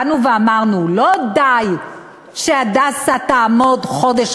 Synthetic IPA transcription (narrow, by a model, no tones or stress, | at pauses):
nuveamaʁnulo̞d̪aj | ʃead̪asat̪aːmo̞d̪χo̞d̪eʃ